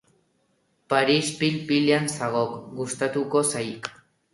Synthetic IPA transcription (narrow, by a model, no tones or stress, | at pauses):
paɾispilpileansaɣokɡust̪at̪uko̞sajk